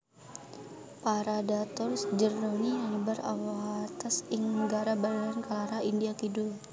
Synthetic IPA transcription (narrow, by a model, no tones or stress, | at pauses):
paɾadat̪ɔrsd͡ʒəroniaŋəbara̰wat̪asiŋəɡaɾabalulankalaɾaindiakidʊl